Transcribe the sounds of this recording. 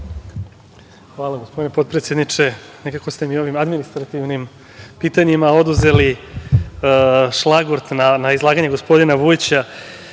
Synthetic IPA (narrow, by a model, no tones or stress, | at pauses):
xʋaːlˠaɡospo̞d̪inepo̞t̪̚pɾet̪sje̞d̪nit͡ʂe̞ | ne̞kako̞st̪e̞mio̞ʋimad̪minist̪ɾat̪iʋnim | piːt̪aɲimao̞d̪uze̞li | ʃlˠaɡoɾt̪nanaizlˠaːɡaɲeɡo̞spo̞d̪inaʋuit͡ɕa